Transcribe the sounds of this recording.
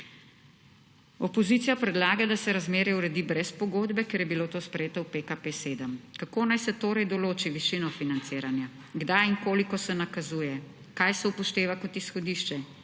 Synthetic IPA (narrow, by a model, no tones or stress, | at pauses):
ɔpɔziːt̪sijapɾɛd̪laːɡad̪asɛɾazmeːɾjɛuɾɛd̪ibɾɛspɔɡoːd̪bɛkɛɾjɛbiloːt̪oːspɾɛjeːt̪ɔwpekapeseːd̪əmkakoːnajsɛt̪oːɾɛjd̪ɔloːt͡ʃiʋiʃinɔfinant̪seːɾanja | ɡd̪ajiŋkoːlikɔsɛnakazujɛ | kajsɛupɔʃt̪eːʋakɔt̪isxɔd̪iːʃt͡ʃɛ